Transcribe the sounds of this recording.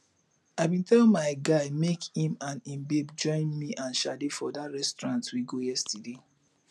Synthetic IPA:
aɪbĩntʰɛlmaɪɡaɪmekĩmãnĩmbebd͡ʒɔ̃ɪ̃nmiʔãnʃadefɔdatɹɛstɹãntwiɡojɛstude

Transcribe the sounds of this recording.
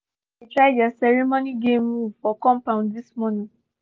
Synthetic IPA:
itɹaɪdasɛɹimoniɡẽmːuvfɔkɔ̃mpãʊ̃ndismɔnĩ

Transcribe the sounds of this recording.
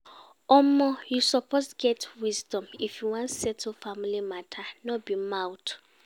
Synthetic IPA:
ɔmɔjusɔpʰostɡɛtwizdɔ̃mifjuwãntsɛtʰofamilimatʰanɔbimawt

